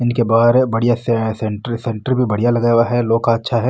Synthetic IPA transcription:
ɪnkebaːɾbɐɽijasɛsɛ̃ɳʈəɾsɛ̃ɳʈəɾbʱibɐɽ̤ijalɐɡjwaɦɛloːkaɐtːʃʰaɦɛː

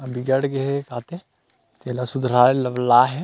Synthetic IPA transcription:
ɐbʱiɡɐɽɡeɦekaːt̪e | t̪eːlasʊd̪ɾaːɾlɐʋlaːɦɛ

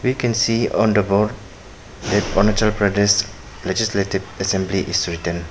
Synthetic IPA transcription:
ʋikɛ̃nsiːɔ̃nd̪əbɔɾɖ | d̪ɛʈɔ̰nət͡ʃəlpɾɛdes | led͡ʒisleʈiʋəsɛ̃mbliʔɪsɾɪʈə̃n

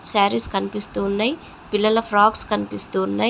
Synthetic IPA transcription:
saːɾiskɐnipist̪uːnːɐj | pilːɐlɐpʰɾaːkskɐnipist̪uːnːa

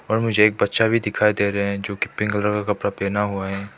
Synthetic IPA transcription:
ɔːɾmʊd͡ʒʱeeːk̚bɐt̪ːʃabʱid̪ɪkʰaːid̪eːɾeɦɛ̃d͡ʒoːki̥pɪ̃ŋɡələɾkakɐpɾapeːnaɦuaɦɛ̃ː

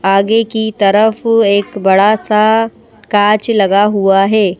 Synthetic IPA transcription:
aːɡekit̪ɐɾəfeːkbɐɽasa | kaːt͡ʃlɐɡaɦuaɦɛː

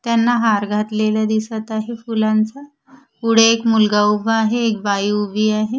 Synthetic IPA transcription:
t̪janːaɦaɾɡʱat̪lelad̪isət̪aɦefulant͡sa | puɽ̤eekmulɡaubʱəaɦeːk̚bajubʱiːaɦe

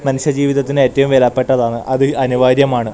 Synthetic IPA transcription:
mɐnuɕjɐd͡ʑiːʋiðɐt̪ːine̞ːtːɐʋumʋelɐpːeʈːɐðaːɳɨʔɐðɨɐnuʋaːɾjɐmaːɳɨ

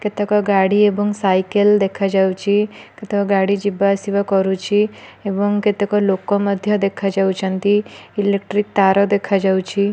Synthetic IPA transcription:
ket̪ekɔɡaɽiebɔŋɡsajkəld̪ekʰad͡ʒawt͡ʃʰiket̪ekɔɡaɽid͡ʒibasiʋakɔɾut͡ʃʰieʋɔŋket̪ekɔlokɔməd̪ʱjəd̪ekʰad͡ʒaut͡ʃʰə̃nt̪iilek̚ʈɾik̚t̪aɾɔd̪ekʰad͡ʒawt͡ʃʰi

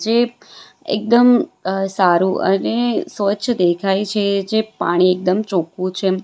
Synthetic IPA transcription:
d͡ʒe | ḛk̚d̪əmsaɾũʔə̰nesʋətːʃʰd̪ekʰajt͡ʃʰed͡ʒepa̰ɽ̃iek̚d̪əmt͡ʃokũt͡ʃʰe

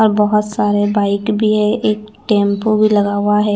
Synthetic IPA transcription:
ɔɾbɔɦʊt̪saːɾebaːɪkbʱiɦɛʔeːkʈẽːmpobʱilɐɡaːwaɦɛː

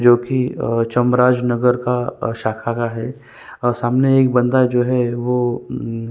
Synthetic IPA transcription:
d͡ʒoːkit͡ʃɐmɾaːd͡ʒnɐɡəɾkaʃaːkʰaːkaɦɛː | saːmneeːk̚bɐ̃nd̪ad͡ʒoːɦɛʋo

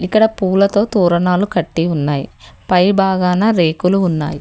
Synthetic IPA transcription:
ikːɐɽɐpuːlɐt̪o̞ːt̪uːɾɐnaːlukɐʈːiunːaːjḭpɐjbaːɡaːnɐːɾeːkuluːnːa̰ːji

